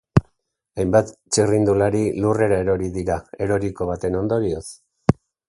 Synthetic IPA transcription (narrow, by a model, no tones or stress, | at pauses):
ajmbat̪t͡ʃirind̪ulaɾilure̞ɾae̞ɾo̞ɾiðiɾae̞ɾo̞ɾiko̞β̞at̪e̞no̞nd̪o̞ɾio̞s